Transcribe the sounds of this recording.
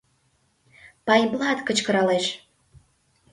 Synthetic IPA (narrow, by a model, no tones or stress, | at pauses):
pɑjblˠɑt̪kət͡ɕkə̆ɾɑleʃ